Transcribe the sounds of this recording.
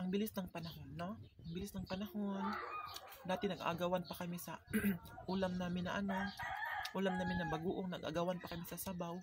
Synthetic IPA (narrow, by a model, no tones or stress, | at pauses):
ʔɐŋbɪlɪsnɐŋpɐnɐho̞nːoʔɐŋbɪlɪsnɐŋpɐnɐho̞n | d̪aːt̪ɪnɐɡa̰ɡawanpɐkɐmɪsɐʔuːlamnaːmɪnːɐʔɐnoʔuːlamnaːmɪnːɐbɐɡuːʔoŋnɐɡʔa̰ɡawanpɐkɐmɪsɐsabaw